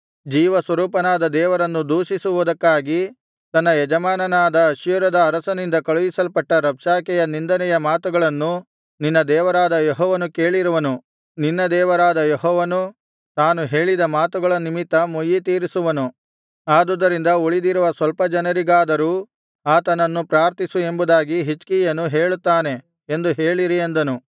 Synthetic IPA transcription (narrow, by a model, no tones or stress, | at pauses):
d͡ʒiːʋɐsʋɐɾuːpɐnaːd̪ɐd̪ɛːʋɐɾɐnːud̪uːʃisuʋud̪ɐkːaːɡi | t̪ɐnːɐjɛd͡ʒɐmaːnɐnaːd̪ɐːʃjuɾɐd̪ɐːɾɐsɐnind̪ɐkɐɭujisɐlpɐʈːɐɾɐpʂaːkɛjɐnind̪ɐnɛjɐmaːt̪uɡɐɭɐnːu | ninːɐd̪ɛːʋɐɾaːd̪ɐjɔɦɔːʋɐnukeːɭiɾuʋɐnu | ninːɐd̪ɛːʋɐɾaːd̪ɐjɔɦɔːʋɐnu | t̪aːnuɦeːɭid̪ɐmaːt̪uɡɐɭɐnimit̪ːɐmojit̪iːɾisuʋɐnu | aːd̪ud̪ːɐɾind̪ɐuɭid̪iɾuʋɐsʋɐlpɐd͡ʒɐnɐɾiɡaːd̪ɐɾuː | aːt̪ɐnɐnːupɾaːɾt̪isue̞mbud̪aːɡiɦit͡ʃkijɐnːuɦe̞ːɭut̪ːaːne̞ | end̪uɦeːɭiɾiend̪ɐnu